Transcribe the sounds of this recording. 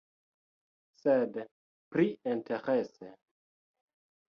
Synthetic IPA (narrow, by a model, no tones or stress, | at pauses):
sed | pɾienteʁese